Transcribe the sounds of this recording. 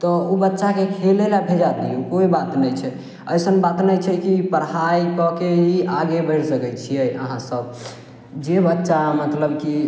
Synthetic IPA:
t̪ɔobətːʃakekʰelelabʱed͡ʒad̪iukoibat̪nəjt͡ʃʰɛ | əjsənbat̪nəjt͡ʃʰɛkipəɽɦajkɔkeiʔaɡebəɪɽsəkɛt͡ʃʰiɛʔə̰ɦãsəb | d͡ʒebətːʃamət̪ləbki

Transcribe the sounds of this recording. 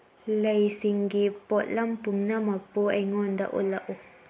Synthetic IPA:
lejsiŋɡipɔʔlampumnamak̚poaŋɔnd̪a̰ʔṵlaʔu

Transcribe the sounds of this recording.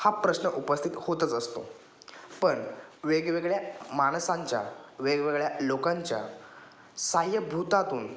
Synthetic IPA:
hapɾəɕnəʔupəst̪ʰit̪hot̪ət͡səst̪o̰ | pəɳʋeɡʋeɡɭjamaɽ̃sãɲt͡ɕja̰ʋeɡʋeɡɭjalokãɲt͡ɕja̰ | saɦjəbʱut̪at̪uːn

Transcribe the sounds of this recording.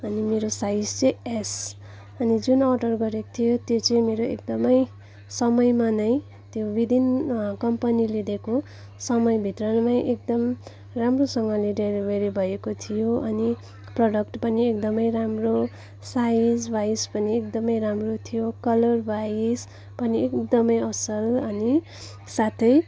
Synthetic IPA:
ʌnimeɾosajd͡zt͡sees | ʌnid͡zunʌɖʌrɡʌɾekot̪ʰijot̪jot͡sʌj̃meɾoḛk̚d̪ʌmʌj | sʌmʌjmanʌj | t̪jobid̪ʱinkʌmpʌnilid̪eko | sʌmʌjbʱit̪rʌnmajʔek̚d̪ʌm | ramrosʌŋɡʌleɖeɾibeɾibʱʌjekot̪ʰijoʌni | prʌɽʌkʈpʌniek̚d̪ʌmʌjɾamro | said͡zbaispʌniek̚d̪ʌmʌjɾamrot̪ʰijokʌlʌrbais | pʌniekd̪ʌmʌjʌsʌlʌni | sat̪ʰʌj

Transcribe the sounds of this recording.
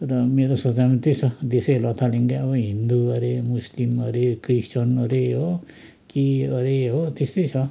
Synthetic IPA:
ɾʌmeɾosʌt͡sajmat̪esʰʌd̪esejlʌt̪ʰaliŋɡaʌbʌɦind̪uʌɾemuslimʌɾekɾisʈʌnʌɾeɦo | kiʌɾeɦot̪est̪ʌjt͡sʰʌ

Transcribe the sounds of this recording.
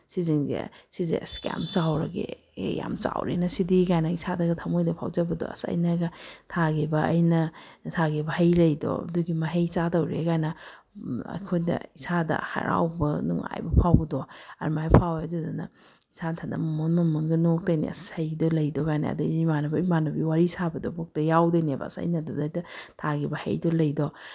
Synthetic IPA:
siziŋzḛsizeska̰mt͡ʃawɾɐɡḛ | ja̰mt͡ʃawɾḛnɐsidikajnɐisʰadɐɡɐtʰɐmojdɐpʰa̰wd͡ʒɐbɐdɔ̰ɐ̰sɐ̰jnɐɡɐtʰaɡibɐːjnɐtʰaɡebɐhɐjlɐjdɔ̰duɡimɐɦɐjt͡ʃatɐwɾekajnɐ | ɐ̰kʰojdɐ̰isadɐ̰ha̰ɾʔa̰wbɐnṵŋa̰jbɐpʰawɡdɔɐ̰ɾmajpʰawadudɐnɐ̰ | isantʰandɐ̰mɐmonmɐmonɡɐnok̚tɐjnḭɐ̰sajdɔlɐjdɔkajnɐ̰ɐ̰dɐmanɐbɐmanɐbiwaɾisabɐdɔbok̚tɐjawdɐnebɐ̰ːsa̰jnɐdudajdɐtʰaɡibɐhɐ̰jdɔlɐjdɔ

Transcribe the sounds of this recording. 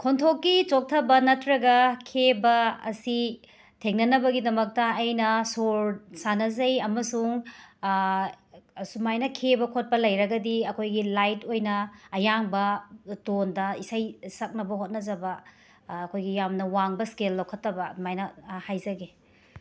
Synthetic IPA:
kʰontʰokːit͡ʃok̚tʰɐbɐnɐtɾɐɡɐkʰebɐɐ̰si | tʰeŋnɐnɐbɐɡidɐmɐk̚tɐːjnɐsoɾsanɐzɐjɐmɐsuŋ | sumajnɐkʰebɐkʰot̚pɐlɐjɾɐɡɐdiɐkʰojɡilajtojnɐːjaŋbɐtondɐisɐjsɐk̚nɐbɐɦot̚nɐzɐbɐː | kʰojɡijamnɐwaŋbɐskelːowkʰɐtːɐbɐmajnɐhajzɐɡe

